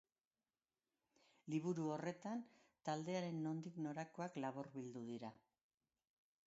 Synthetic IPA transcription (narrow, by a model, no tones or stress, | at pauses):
liβ̞uɾuo̞re̞t̪ant̪ald̪e̞aɾe̞nːo̞nd̪ikno̞ɾako̞aklaβoɾβild̪uðiɾa